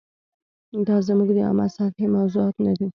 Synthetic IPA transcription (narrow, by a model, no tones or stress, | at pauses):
d̪ɑzəmuɡd̪əɑ̰ma̰salhimawzuɑt̪nad̪i